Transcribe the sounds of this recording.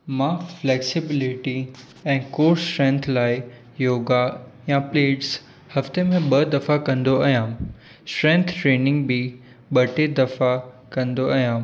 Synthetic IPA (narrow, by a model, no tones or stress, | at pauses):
mãːflɛːksɪbɪlɪʈi | ɛ̃ːkoːɾsʈɾɛ̃ːnt̪ʰlaːɪ | joːɡajapleːʈs | hɐft̪emẽɓɐd̪ɐfakɐ̃nd̪oaːjãː | sʈɾɛ̃nt̪ʰʈɾeːnɪ̃ŋɡbʱi | ɓɐʈed̪ɐfa | kɐ̃nd̪oaːjãː